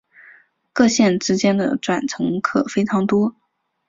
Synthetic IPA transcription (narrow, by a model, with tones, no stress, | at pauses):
kɤ˥˧ɕjɛ˥˩nʈ͡ʂɻ̩˥t͡ɕjɛ˥nd̪ə̰˨ʈ͡ʂwa˨˩nʈ͡ʂʰɤ˧˥ŋkʰɤ˨˩fe˥ɪʈ͡ʂʰɑ˧˥ŋt̪wɔ˥